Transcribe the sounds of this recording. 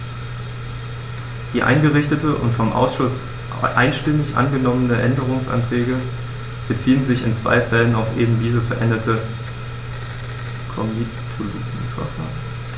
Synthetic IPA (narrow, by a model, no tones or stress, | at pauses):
d̥iːʔa̰ɪnɡəʁɪçtətəʔʊ̰ntfɔmʔa̰ʊsʃʊs | ʔa̰ɪnʃtɪmɪçʔa̰nɡənɔmənəʔɛndəʁ̞ʊŋsʔa̰ntʁ̥ɛːɡə | b̥ət͡siːənzɪçɪ̰nt͡sv̥a̰ɪfɛlənaʊfʔeːbm̩diːzəfɛɐʔɛndɐtʰə | kʰɔmi | tʰuloɡiːfɛɐfa̰ːʁə